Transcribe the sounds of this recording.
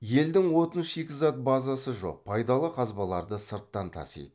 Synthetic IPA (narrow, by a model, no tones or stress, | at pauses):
je̞ld̪ɪŋwo̞t̪ənʃekʲɪzɑt̪̚bɑzɑsəʒo̞̰q̚pʰɑjd̪ɑlˠəqʰɑzbɑlˠɑɾd̪əsəɾt̪ːɑnt̪ʰɑ̰sḛjd̪